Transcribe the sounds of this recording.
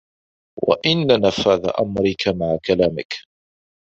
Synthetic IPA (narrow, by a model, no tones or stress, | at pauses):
wa̰ʔɪnːanafaːða̰ʔa̰mɾɪkamaʕakalaːmɪk